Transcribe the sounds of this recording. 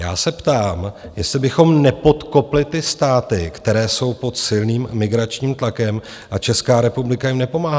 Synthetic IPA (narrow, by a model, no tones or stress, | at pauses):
ja̰ːsɛpt̪aːmjɛst̪lɪbɪxo̞mnɛpo̞t̪ko̞plɪt̪ɪst̪aːt̪ɪkt̪ɛɾɛːso̞wpo̞t̪sɪlniːmːɪɡɾat͡ʃɲiːmt̪lakɛm | ʔat͡ʃɛskaːɾɛpublɪkajɪmnɛpo̞maːɦa